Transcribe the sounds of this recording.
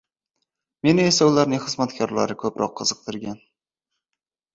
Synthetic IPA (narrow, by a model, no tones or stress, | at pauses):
me̞nɪe̞saʊlaɾnɪŋχɨzmat̪kʰʲɒɾla̰ɾɪkʰɵpɾʔɒ̰qʰːɨzɨq̚t̪ʰɪɾɡʲan